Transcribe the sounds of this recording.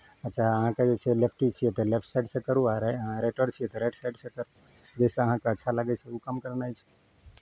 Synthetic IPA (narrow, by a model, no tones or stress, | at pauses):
ətːt͡ʃʰaəɦãked͡ʒet͡ʃʰelepʰʈit͡ʃʰijet̪elepʰʈsaɪɖsẽkəɾuaɾəãɾeʈəɾt͡ʃʰijet̪əɾeʈsajɖsẽt̪əɾ | d͡ʒɛsẽəɦãkeətːʃʰalaɡɛt͡ʃʰeukəmkəɾnajt͡ʃʰɛ̥